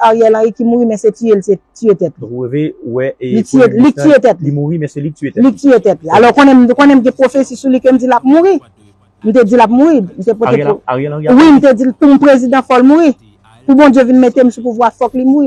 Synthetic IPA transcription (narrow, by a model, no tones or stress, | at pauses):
aɣjɛlãikimuʁimɛ̃setielsetyet̪ɛt̪̚livewɛlitielitiet̪ɛt̪̚liiuimɛ̃seilitiet̪ɛt̪lialɔkõnɛ̃m̩kõnɛ̃m̩ɡɛ̃pʁofesisulikem̩d͡zilap̚muʁi | m̩t̪̬ed͡zilapmuɣim̩t̪epot̪e | wim̩t̪̬ed͡zilpum̩pʁezid̪ɑ̃fɔlmuʁi | pubɔ̃djevinmet̪em̩supuvwafɔklimuɣi